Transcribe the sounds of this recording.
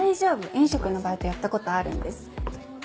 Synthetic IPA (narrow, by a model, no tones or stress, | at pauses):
aiʑo̞ːbɯ̟ʔẽɰ̃ɕo̞kɯ̟no̞baːit̪o̞jat̪ːako̞t̪o̞aɾɯ̟̰̃nd̪e̞sɨ̥